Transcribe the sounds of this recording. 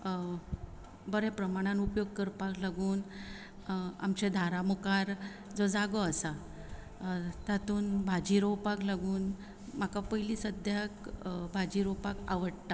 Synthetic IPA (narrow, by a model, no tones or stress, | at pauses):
bəɾẽpɾəmaɽ̃anupjoɡ̚kəɾpaklaɡuːn | a̰mt͡ɕed̪ʱaɾamukaɾ | d͡zod͡zaɡɔəsa | t̪at̪uːnbʱad͡ʑiɾowpaklaɡuːn | m̤akapəjliːsəd̪ʱjakbʱad͡ʑiɾowpaka̰ʋəɽt̪a